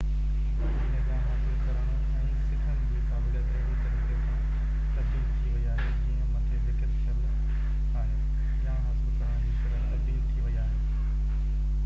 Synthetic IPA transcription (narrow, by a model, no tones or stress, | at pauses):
ɪnɪbjãːɦaːsɪlkɐɾəɽ̃ʊ | ɛ̃ːsɪʈʰəñɪ̆d͡ʑeːkaːbɪljət̪ɾɐ | nɐɾɾiəmʰãː | t̪ɐbd̪iːlt̪ʰiʋɐiaːɦed͡ʑiːɦə̃mɐt̪ʰeʋɪʈɪt̪t͡ɕʰɐʋ | aːɦe | ãːɦaːsɪlkɐɾ̤ãːd͡ʑiːʃɐɾət̪ɐbd̪iːlt̪ʰiʋɐiaːɦeː